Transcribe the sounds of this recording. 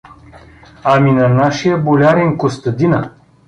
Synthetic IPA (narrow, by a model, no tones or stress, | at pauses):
aminɐnaʃijəbolʲaɾɛnkost̪ɐd̪inə